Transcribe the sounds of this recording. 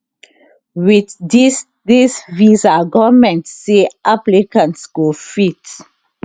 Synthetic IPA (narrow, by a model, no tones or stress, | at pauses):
widdis | disvizaɡɔvmɛ̃ntseʔaplikãntsɡ̥ofit